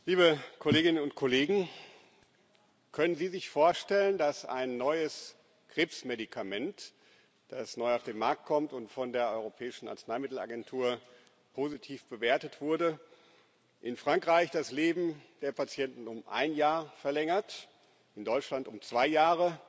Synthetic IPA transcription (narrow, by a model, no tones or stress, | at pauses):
liːbəkʰoleːɡɪnənʊntkʰɔleːɡŋ̩ | kʰœnənziːzɪçfoːɐʃtɛləndasa̰ɪnːɔʏəs | kʁ̥epsmedikʰamɛnt | d̥asnɔʏaʊfd̥eːnmaɐk̚t̚kʰɔmtʊntfɔndeːɐʔɔʏʁ̞opʰɛːɪʃn̩ʔa̰ɐt͡snaɪmɪtl̩a̰ɡɛntʰuːɐ | pʰozitʰiːfb̥əveːɐtətv̥ʊɐdə | ʔɪnfʁ̥aŋkʁ̥aɪçd̥asleːbm̩d̥eːɐpat͡sjɛntn̩ʊmʔa̰ɪnjaːɐfɛɐlɛŋɐt | ʔɪndɔʏt͡ʃlantʊmt͡sv̥aɪjaːʁ̞ə